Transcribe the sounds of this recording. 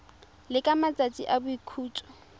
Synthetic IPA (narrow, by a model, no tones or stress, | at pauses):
lɪkʼamat͡sʼat͡sʼiʔabʊikʰuːt͡sʼɔ̥